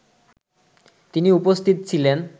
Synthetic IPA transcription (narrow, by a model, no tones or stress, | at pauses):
t̪iniupost̪ʰit̪̚t͡ɕʰilen